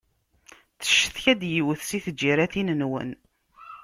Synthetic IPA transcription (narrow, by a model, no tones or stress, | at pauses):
θə̥ʃːəθçæd̪jiwəθsiθəd͡ʒːiɾæθinənwə̰n